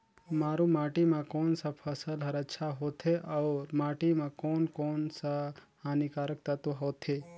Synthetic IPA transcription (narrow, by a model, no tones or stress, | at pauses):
maːɾũmaːʈimãkoːnsapʰəsəlɦɐɾɐʃʰaɦoːt̪ʰeʔɔːɾmaːʈimãkoːnkoːnsa | anikaːɾək̚t̪at̪oɦoːt̪ʰe